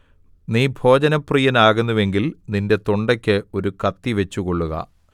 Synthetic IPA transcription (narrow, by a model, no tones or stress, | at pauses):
niːbʱo̞ːd͡ʑɐnɐpriːjɐnaːɣunːuʋe̞ŋɡilninde̞t̪oɳɖɐkʲːɨo̞ɾukɐt̪ːiʋe̞t͡ɕːuɣo̞ɭːuɣɐ̰